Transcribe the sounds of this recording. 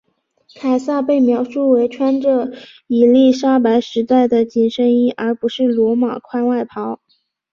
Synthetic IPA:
kʰa˨˩ɪsa˥˧pe˥˩ɪmjɑ˧˥ʊʂu˥˩we˧˥ɪʈ͡ʂʰwa˥nʈ͡ʂɤ˥˩ | i˨˩li˥˩ʂa˥pa˧˥ɪʂɻ̩˧˥t̪a˥˩ɪd̪ə˩t͡ɕi˨˩nʂə˥ŋi˥ʔə˞˧˥pu˧˥ʂɻ̩˥˩lwɔ˧˥ma̰˨˩kʰwa˥nwa˥˩ɪpʰɑ˧˥ʊ

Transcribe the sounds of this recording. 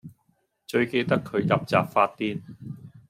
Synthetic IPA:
t͡ʃɵ˧ɥke˧jt̪ɐ˥kʰːɵ˨˧ɥjɐ˨p̚t͡sa̰ː˨p̚faː˧t̚t̪iː˥n

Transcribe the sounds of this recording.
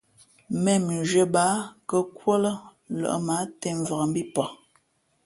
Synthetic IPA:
mɛ˨mn˨ʒə˨ba˨˦kə˨kwo˦lə˦lə̰˨ʔma˨˦tɛ˨ɱ˨va˨m˦bi˦pɔ˨

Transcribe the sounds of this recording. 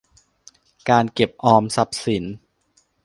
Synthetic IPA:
kaː˧nke˨˩p̚ʔɔː˧msa˨˩˦p̚si˩˦n

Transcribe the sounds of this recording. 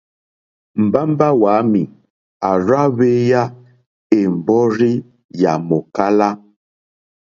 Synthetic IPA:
m̩˨ba˦m˦ba˦wa˨˦mi˨ | a˨ɾa˦βe˦ja˦ | e˨m̩˨bɔ˦ɾi˦ | ja̰˨mo˨ka˦la˦

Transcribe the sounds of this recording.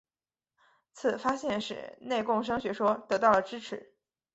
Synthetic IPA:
t͡s̩ʰ˨˩fa˥ɕjɛ˥˩nʂɻ̩̰˨˩ne˥˧ɪkʊ˥˩ŋʂ̬ɤ˥ŋɕɥɛ˧˥ʂwɔ˥t̪ɤ˧˥t̪ɑ˥˩ʊlə˩ʈ͡ʂɻ̩˥ʈ͡ʂʰɻ̩˧˥˦

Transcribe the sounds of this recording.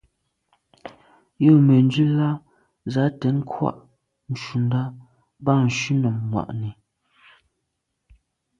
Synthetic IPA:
jo˦˨mɛ˨nd͡ʒʉ˦la˦ | za˨˦tɛ˨˦n˦kʰwa̰˦˨ʔ | n̩˨ʃu˨nda˦ | ba˦˨n̩˨ʃʉ˦nɔ˨mːwa̰˨ʔnɛ˨

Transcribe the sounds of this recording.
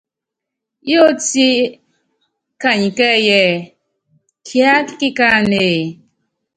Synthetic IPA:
jo˦ti˦ | ka˨ɲ˨kɛ˦jɛ˨ | kʰja˦ki˦ka˦˨ne˨

